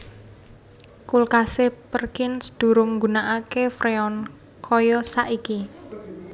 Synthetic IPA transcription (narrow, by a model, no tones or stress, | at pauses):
kulkasepərkɪnsd̪̥ṳɾʊŋɡunaʔakefɾeɔn | kʰɔjɔsaʔiki